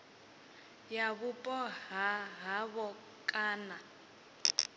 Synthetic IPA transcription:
jaβupʼɔɦaɦaβɔ | kʼaːna

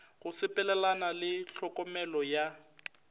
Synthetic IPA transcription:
ɣʊsɪpʼɛlɛlanalɪɬɔkʼɔmɛlɔja

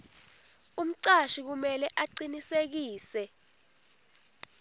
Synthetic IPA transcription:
um̩ǀaʃik̬umɛlɛʔaǀinisek̬iːsɛ

